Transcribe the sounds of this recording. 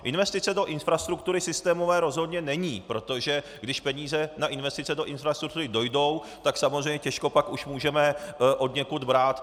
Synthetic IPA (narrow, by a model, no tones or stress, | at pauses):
ʔɪnvɛst̪ɪt͡sɛdo̞ʔɪnfɾast̪ɾuk̚t̪uɾɪsɪst̪ɛːmo̞vɛːɾo̞zɦo̞dɲɛnɛɲiːpɾo̞t̪o̞ʒɛ | ɡdɪʃpɛɲiːzɛnaʔɪnvɛst̪ɪt͡sɛdo̞ʔɪnfɾast̪ɾuk̚t̪uɾɪdojdo̞w | t̪aksamozrɛjɲɛcɛʃko̞pakuʃmuːʒɛmɛʔo̞dɲɛkud̪bɾaːt̪